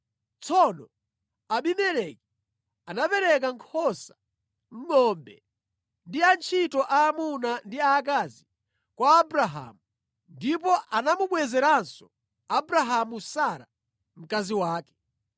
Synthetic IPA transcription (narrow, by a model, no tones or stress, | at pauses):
t͡sʰɔnɔ | aɓimɛlɛki | anapɛɾɛk̬aŋkʰɔsa | m̩ŋɔmbɛ | ndiant͡ʃʰitɔʔaːmunandiaːkazi | kwaːbɾaɦa̰ːmu | ndip̬ɔʔanamuɓwɛzɛɾansɔ | abɾaɦamusaɾa | m̩kaziwaːkɛ̥